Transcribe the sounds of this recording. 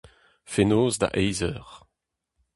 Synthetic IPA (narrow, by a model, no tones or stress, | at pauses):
fenoːzda̰ʔɛjzœʁ